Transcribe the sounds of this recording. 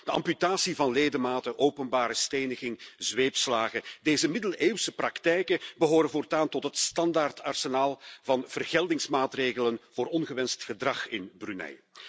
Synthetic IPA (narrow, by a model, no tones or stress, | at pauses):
d̥əɑ̰mpytaːsivɑnleːdəmaːtəʔowpənbaːɾəsteːnəɣɪŋzʋeːpslaːɣədeːzəmɪdəleːwsəprɑktɛjkəbəɦoːɾəvoːrtaːntɔtɦətstɑndartɑrsənaːlˠvɑnv̥ərɣɛlˠdɪŋsmaːtreːɣələnvoːɾɔnɣəʋɛnstxədrɑxɪnbrynɛ̰j